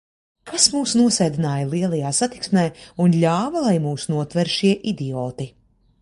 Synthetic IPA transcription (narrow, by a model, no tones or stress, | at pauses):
kʰasmuːsnuɔsɛːjd̪inaːjalˠiɛlˠajaːsat̪i̥ksmɛːunlʲaːvɐlˠajmuːsunuɔt̪vɛɾʃiɛʔid̪iɔːt̪i